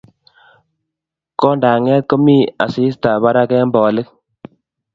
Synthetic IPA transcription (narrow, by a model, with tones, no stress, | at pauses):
kɔ˦nda˨ŋɛ˦t̚ko˦mi˦a̰˨si˦sta˨βa˦ɾa˦kɛ˦mbɔː˨lɪ˦k̚